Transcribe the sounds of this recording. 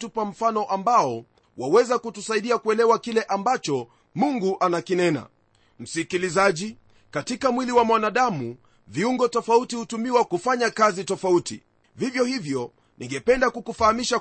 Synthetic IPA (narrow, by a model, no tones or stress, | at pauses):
tupwam̩fanɔʔambaɔ | wawɛzakutusaiɗiakuɛlɛwakilɛʔambat͡ʃɔ | muŋɡuʔanakinɛna̰ | m̩sikilizaʄi | katikamwiliwamwanaɗamu | viuŋɡɔtɔfautihutumiwakufaɲakazitɔfauti | vivjɔhivjɔ | nʔiŋɡɛpɛndakukufahamiʃa